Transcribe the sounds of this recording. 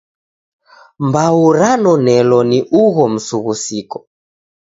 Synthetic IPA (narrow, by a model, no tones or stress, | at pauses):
mbauɾanɔnɛlɔniʔuɣɔm̩suɣusikɔ